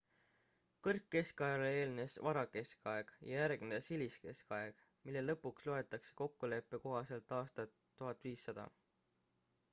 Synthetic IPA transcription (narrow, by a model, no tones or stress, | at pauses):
kɤrkːe̞skɑjɑlee̞ːlne̞svɑɾɑke̞skɑe̞ɡ̥jɑjæɾɡ̥ned̪esiliske̞skɑeɡ̥ | milːe̞lːɤ̞pːuksloe̞t̪ːˑɑkse̞̥ko̞kːule̞pːe̞ko̞ɦɑse̞lt̪ːˑɑːst̪ɑt̪ːuɦɑt̪ːˑviːsːɑd̪̥ɑ̰